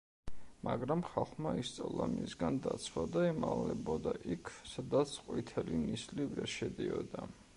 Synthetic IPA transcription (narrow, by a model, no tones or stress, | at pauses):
maɡɾamχalˠχmaist̪sʼalˠamisɡand̪at̪sʰwad̪aɛmalɛbɔd̪aʔikʰsad̪at̪sʰqʼwit̪ʰɛlinislivɾɛɾʃɛd̪iɔd̪a